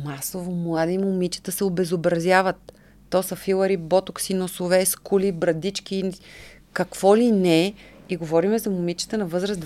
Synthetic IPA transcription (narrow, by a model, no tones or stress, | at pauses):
masovomlˠad̪imʊmit͡ʃə̥t̪əsɛobɛzobɾɐzʲjavət̪ː | ɔsɐfilˠəɾibɔt̪ʊksinosovɛskulibɾɐd̪it͡ʃk̟i | kɐkv̥ɔlinɛiɡovɔɾimɛzɐmʊmit͡ʃə̥t̪ənɐvɤzɾəsd̪